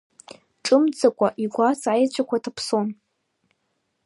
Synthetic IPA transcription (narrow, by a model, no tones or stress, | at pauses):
ʈ͡ʂʼɨmd͡zakʷʼaʔiɡʷat͡sʼajt͡ɕʷʰakʷʰatʰapʰson